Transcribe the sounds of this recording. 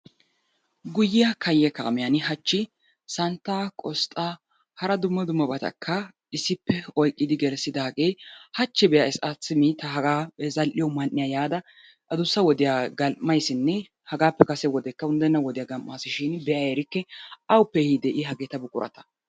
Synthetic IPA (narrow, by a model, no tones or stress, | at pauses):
ɡʊjːɪjɐkʰɐjːɛka̰ːmɪjɐnɪhɐt͡ʃːɪ | sɐnt̪ːaːkʼɔst̪ʼːaː | hɐɾɐd̪ʊmːɐd̪ʊmːɐbɐt̪ɐ̰kʰːɐ | ɪsɪpːɛɔjkʼːɪd̪ɪɡɛɾsːɪd̪ɐɐkʼeːhɐt͡ʃːɪbɛjaɪsɐt͡sːɪmiːt̪ːɐɦɐɡaːzɐlʔɪjɔmɐnːɪjaːjaːd̪ɐ | ʔɐd̪ʊsːɐwɔd̪ɪjaːɡɐlmɐjsɪnːɛ | hɐɡaːpːɛkʼɐsɛwɔd̪ɛkːɐʊnd̪ɛnːɐwɔd̪ɪjaːɡɐmʔːaːsɪʃɪnbɛʔajɛɾɪkːɛɐwpːehid̪ɛʔɪɦɐɡeːt̪ɐbʊkʼʊɾʔɐ̰t̪ɐ̥